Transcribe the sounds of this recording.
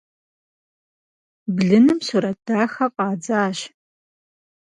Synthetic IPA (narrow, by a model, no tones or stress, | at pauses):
bɮɨnɨmsuɾɐd̥aːxɐqʼɑːd͡zaːɕ